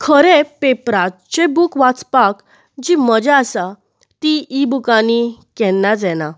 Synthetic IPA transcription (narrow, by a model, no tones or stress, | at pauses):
kʰəɾepepɾat͡ɕẽbukʋat͡spak | d͡ʑiməd͡ʑaasa | t̪iibukanikɛnːad͡zɛna